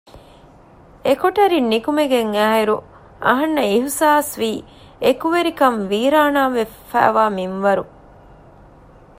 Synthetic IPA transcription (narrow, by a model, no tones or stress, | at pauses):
ekoʈɐɾinːikumeɡeŋæːɦeɾu | ɐ̰ɦɐnːɐiɦusaːsʋiː | ekuʋeɾikɐmʋiːɾaːnaːʋefæ̰ːʋaːminʋɐɾu